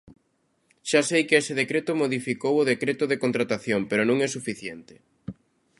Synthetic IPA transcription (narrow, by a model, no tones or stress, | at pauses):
ʃasejkɪesɪðekɾet̪ʊmoðifikowʊðekɾet̪ʊðekont̪ɾat̪aθjompeɾʊnũŋɛsufiθjent̪ɪ̥